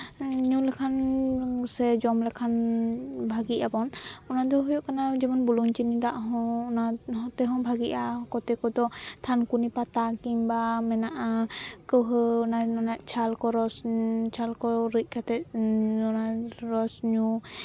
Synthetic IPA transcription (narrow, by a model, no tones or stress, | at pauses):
ɲulɛkʰan | sɛd͡ʒɔmlɛkʰan | bʱaɡiʔabɔnɔnad̪ɔɦɔjɔʔkanad͡ʒɛmɔnbuluɲt͡ʃinid̪aʔɦɔ̃ɔnaɦɔ̃t̪ɛɦɔ̃bʱaɡiʔakɔt̪ɛkɔd̪ɔt̪ʰankunipat̪akimbamɛnaʔakəwɦəɔnanɔnaʔt͡ʃʰalkɔɾɔst͡ʃʰalkɔɾic̚ˀkʰat̪ɛɔnaɾɔsɲu